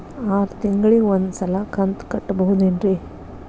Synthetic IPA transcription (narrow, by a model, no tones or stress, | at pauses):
aːɾt̪iŋɡɐɭiond̪sɐlɐkɐnt̪kɐʈːbɐɦud̪enɾi